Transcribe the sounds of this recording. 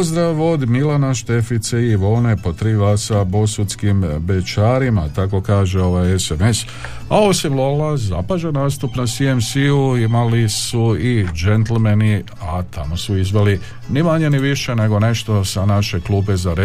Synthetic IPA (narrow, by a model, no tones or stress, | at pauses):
zd̪ɾaʋo̞d̪milanaʃt̪e̞fit̪seiʋo̞ːne̞po̞t̪ɾiʋasabo̞sut̪skimbe̞t͡ʃaːɾimat̪ako̞kaːʒeo̞ʋajesemes | aosimlolaza̰paʒenaːst̪upnasiemsiuimalisuid͡ʒent̪lmeni | at̪ʰa̰mo̞suizʋeli | nimaɲe̞niʋiʃe̞ne̞ɡo̞ne̞ʃt̪o̞sanaʃe̞kluːbe̞zaɾe